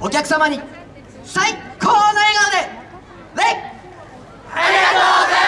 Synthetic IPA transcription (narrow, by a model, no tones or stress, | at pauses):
okʲakɯ̟̥samaɲ̟i | saikʰoːnoeːɡad̪e | βe